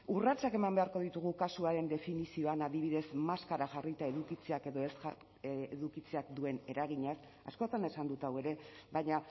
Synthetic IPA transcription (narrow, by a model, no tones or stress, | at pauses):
urat͡sake̞mambe̞aɾko̞ð̞it̪uɣ̞ukasuaɾe̞nd̪e̞finisio̞anaðiβiðe̞smaskaɾaʝarit̪ae̞ðukit͡se̞ake̞ðo̞es | eðukit͡se̞akd̪ue̞ne̞ɾaɣ̞iɲas | a̰sko̞t̪ane̞sand̪ut̪awe̞ɾe̞βajɲa